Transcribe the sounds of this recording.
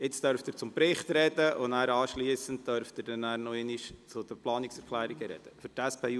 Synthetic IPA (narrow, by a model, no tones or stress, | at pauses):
ɪt͡stœɾftəɾt͡sʊmpɾɪχtɾɛd̥əʔonæːɾɑːʃliːəsənt̚tdœɾftəɾd̥ɛnæːɾnoeniʃt͡sʊd̥̪əplɑːniksɛɾkʰlæːɾiɡəɾɛ̰d̥əfʏɾtæspʰeː